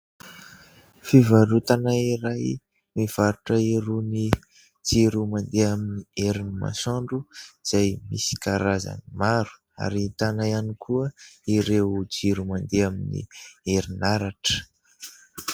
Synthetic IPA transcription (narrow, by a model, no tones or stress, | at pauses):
fivaɾut̪anaiɾaj | miv̥aɾuʈ͡ʂəiɾuni | d͡ziɾumand̪eaminieɾinima̰saɳɖ͡ʐuz̥ajmisi̥kaɾaza̰nimaɾu̥ | a̰ɾit̪anajanikʰuəiɾewd͡ʒiɾumand̪eaminḭeɾinaɾaʈ͡ʂə̥